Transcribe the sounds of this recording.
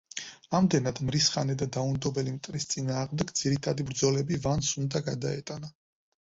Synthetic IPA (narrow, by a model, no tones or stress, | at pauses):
amd̪ɛnad̪mɾisχanɛd̪ad̪aund̪ɔbɛlimt̪ʼɾist̪sʼinaːʁmd̪ɛɡd̪z̥iɾit̪ʰad̪ibɾd̪zɔlɛbivansund̪aɡad̪aɛ̰t̪ʼana